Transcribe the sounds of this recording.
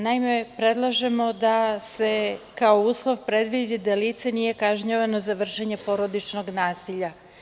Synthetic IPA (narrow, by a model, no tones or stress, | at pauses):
naime̞pɾe̞d̪lˠaʒe̞mo̞d̪ase̞kaouːslˠo̞ʋpɾe̞d̪ʋid̪id̪aliːt̪senije̞kaʒɲaʋano̞zaʋr̩ʃeɲe̞po̞ɾo̞d̪it͡ʃno̞ɡnaːsiʎa